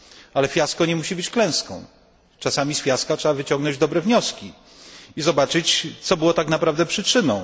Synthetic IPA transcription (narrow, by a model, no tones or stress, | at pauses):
alɛfʲjaskɔɲɛmuɕibɘt͡ɕklɛ̃w̃skɔ̰̃w̃ | t͡ʂasamʲisfʲjaskatʂɛbavɘt͡ɕɔ̃ŋɡnɔ̃ɲd͡ʑd̪ɔbɾɛvɲɔskʲi | izɔbat͡ʂɘt͡ɕt̪sɔbɘwɔt̪aknapɾavd̪ɛpʂɘt͡ʂɘnɔ̃w̃